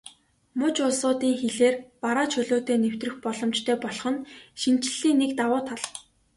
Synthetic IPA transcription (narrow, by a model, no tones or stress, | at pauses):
mʊt͡ɕʊɮsʊːt̪iːŋxeɮeːrpaɾaːt͡ɕʰɵɮoːt̪eːnew̥t̪rɘ̆xpɔɮɞ̆mt͡ɕt̪ʰœːpɔɮɞ̆χɞ̆nʃin̥t͡ɕɪ̆ɮiːŋnːekt̪awʊːt̪ʰaɮ